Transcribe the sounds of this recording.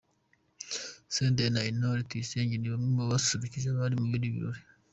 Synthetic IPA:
seːntenainoɾitwiseːɲɟeniβamwemaβassuβiciʒaβaɾimuβiɾiβḭɾoɾi

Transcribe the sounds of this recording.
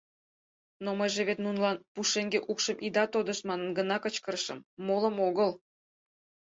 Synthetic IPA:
noməjʒeβet̪nunlɑnpuʃeŋɡeʔukʃəmʔid̪ɑt̪od̪ə̆ʃmɑnənɡənɑkət͡ɕkəɾʃə̰mːolə̆moɣəl

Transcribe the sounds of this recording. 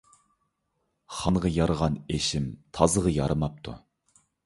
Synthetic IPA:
χɑnʁɑjɑɾəʁɑneʃɪmt̪ʰɑzəʁɑjɑɾɨmɑp̚t̪ʰṵ

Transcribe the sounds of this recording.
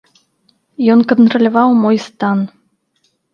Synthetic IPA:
jɔnkənt̪rəlʲɔvɑwmɔjst̪ɑn

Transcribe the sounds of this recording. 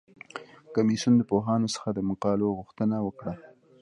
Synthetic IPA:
kamisund̪əpoɦɑnosə̥xad̪əmʊqɑloɣuxt̪ənawəkɽa

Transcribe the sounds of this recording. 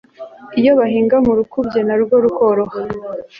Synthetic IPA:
ijo̞βaɦiːŋɡamuɾukubɟe̞naɾuɡoɾuhoɾoha

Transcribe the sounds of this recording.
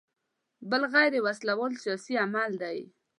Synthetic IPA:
bəlɣajɾewaslawɑlsijɑsiamald̪aj

